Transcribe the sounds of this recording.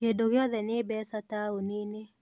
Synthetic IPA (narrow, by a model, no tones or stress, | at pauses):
jedoɡɪɔðɛnɪbɛsataonɪne